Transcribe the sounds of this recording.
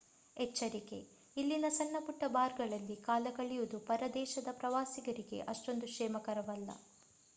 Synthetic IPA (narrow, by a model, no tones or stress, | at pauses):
ɛt͡ʃːɐɾike̞̰ | ilːinɐsɐɳːɐpuʈːɐbaːɾɡɐɭɐlːikaːlɐɡɐɭijud̪upɐɾɐd̪ɛːʃɐd̪ɐpɾɐʋaːsiɡɐɾiɡe̞̰ʔɐʂʈo̞nd̪uʃʂɛːmɐkɐɾɐʋɐlːɐ̰